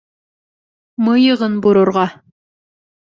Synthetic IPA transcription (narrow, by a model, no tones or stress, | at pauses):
mɤ̆jɤ̆ʁɤnbuɾŏɾʁɑ